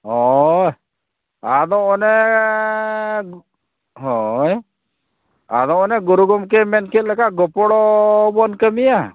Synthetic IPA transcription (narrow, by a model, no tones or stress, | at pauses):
ɦɔj | ad̪ɔɔnɛ | ɦɔj | a̰d̪ɔ̃ɔnɛɡuɾuɡɔmk̬emɛnket̪̚ləkaɡɔpɔɽɔbɔnkəmija